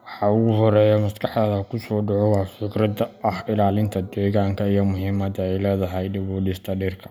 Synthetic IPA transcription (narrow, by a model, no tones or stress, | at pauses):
wɑħɑʊɣʊɦɔɾɛːjɔmɐskʰɐħðɐːðɐkʰʊsɔːɖɔʕɔwɑːfɪɡɾɐd̪ɐʔɐhɪlaːlɪnt̪ʰɐd̪ɛːɣaːŋkʰɐijɔmʊɦiːmɐd̪ɐɛjlɛːðɐɦɛjɖɪβɔːɖɪst̪ʰɐɖiːrkʰɐ̥